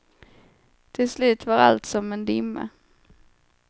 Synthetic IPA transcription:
t̪ʰɪlslʉ̟ːt̪vaɾa̰lt̪sɔmːɛnd̪ɪmːə̰

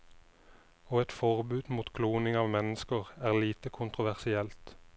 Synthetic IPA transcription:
oːɛt̪fɔʁbʉːd̪muːt̪kʰluːnɪŋɑːʋmɛnəskəʁæːʁliːt̪əkʰʊnt̪ʁʊʋæʁsɪɛlt̪

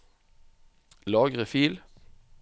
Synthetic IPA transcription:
lɑːɡʁəfiːl

